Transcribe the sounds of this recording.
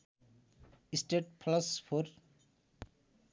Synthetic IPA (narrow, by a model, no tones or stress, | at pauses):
isʈeʈ̚pʰlɐspʰoɾ